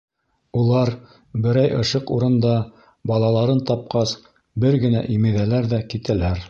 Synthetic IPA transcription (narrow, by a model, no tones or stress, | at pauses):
ulˠɑɾ | bɘ̆ɾæjɤ̆ʃɤquɾɤ̆nd̪ɑ | bɑlˠɑlˠɑɾɤnt̪ɑp̚qɑs | bɘɾɡɘ̆næʔimiðælæɾðækit̪ælæɾ